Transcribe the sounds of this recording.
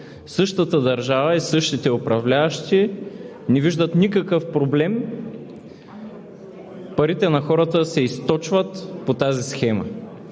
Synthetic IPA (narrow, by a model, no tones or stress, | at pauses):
sɤʃt̪ət̪əd̪ɐɾʒavəisɤʃt̪it̪ɛʊpɾɐvlʲaɐʃt̪i | nɛviʒd̪ət̪nʲikɐkɤfpɾoblɛm | pɐɾit̪ɛnɐxɔɾət̪əsɛist̪ɔt͡ʃvət̪pot̪azisxɛmə̰